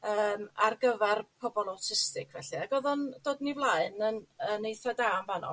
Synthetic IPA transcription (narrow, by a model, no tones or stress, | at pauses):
əːmarɡəvɛrpʰɔbɔlˠawtʰɪstɪkʰvɛɬiaɡɔðɔnd̥oːdnivlˠaɨnənənejθadaːmvanɔ̰